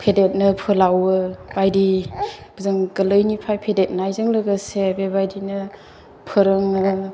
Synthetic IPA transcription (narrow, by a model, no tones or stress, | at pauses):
pʰedet̚nɯpʰɯlawɯbajdib̥əzɯŋɡəlɯjnipʰajpʰedet̚najzɯŋlɯɡɯsebebajdinɯ | pʰɯɾɯŋɯ